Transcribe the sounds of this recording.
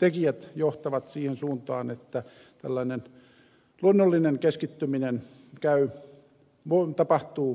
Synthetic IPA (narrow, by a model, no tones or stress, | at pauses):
t̪ekijæt̪joht̪ɑʋɑt̪siːhensuːnt̪ɑːnet̪ːæ | t̪æ̰lːɑinen | luonːolːineŋkeskit̪ːyminen | kæy | ʋot̪ɑpɑht̪uː